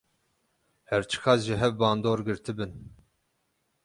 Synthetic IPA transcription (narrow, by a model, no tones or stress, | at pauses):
hɛɾt͡ʃʰɨ̥xɑːsʒɨɦɛvbɑːnd̪oːɾɡɨɾt̪ʰɨbɨn